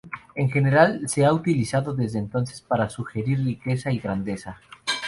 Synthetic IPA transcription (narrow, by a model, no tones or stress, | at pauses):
e̞ŋxe̞ne̞ɾalse̞aut̪ilisaðoðe̞zðent̪o̞nsespaɾasuxe̞ɾiɾrike̞saiɣɾand̪e̞sa